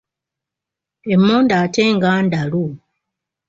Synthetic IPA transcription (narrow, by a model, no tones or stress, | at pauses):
e̞mːoːndaːte̞ːŋɡaːndalu